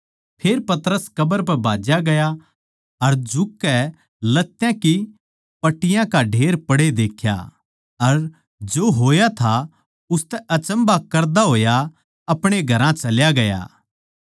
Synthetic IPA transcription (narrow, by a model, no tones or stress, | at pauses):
pʰeːɾpɐt̪əɾəskɐbəɾp̬ɛbʱaːd͡ʒjaɡɐja | ɐɾd͡ʒʊkːɛ | lɐt̪ːjãki | pɐʈːɪjãkaɖʱeːɾpɐɽed̪eːkʰja̰ | ɐɾ | d͡ʒoːɦoːjat̪ʰa | ʊst̪ɛʔɐt͡ʃə̃mbakɐɾd̪aɦoːja | ɐpɽ̃eɡʱɐɾãt͡ʃɐljaɡɐja̰ː